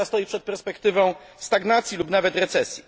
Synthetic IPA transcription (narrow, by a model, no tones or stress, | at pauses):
ast̪ɔjipʂɛt̪̚pɛɾspɛkt̪ɘvɔ̃w̃st̪aɡnat̪sʲjilupnavɛt̪ɾɛt̪sɛsʲji